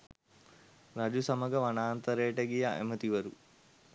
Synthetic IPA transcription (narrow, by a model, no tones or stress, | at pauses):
ɾad͡ʒusɐməɡəʋanaːnt̪əɾejəʈəɡijaʔḛmət̪iʋɐɾu